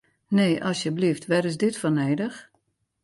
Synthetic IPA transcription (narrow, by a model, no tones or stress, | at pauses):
neːʔɔsjəbliftʋɛɾɪsdɪtfɔneːdəx